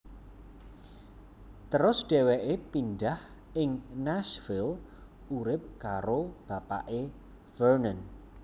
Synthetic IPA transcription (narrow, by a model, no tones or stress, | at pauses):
t̪əɾʊsɖ̥e̤weʔepinɖah | ɪŋnasvɪl | uɾɪp̚kaɾob̥a̤pa̰ʔe | fərnən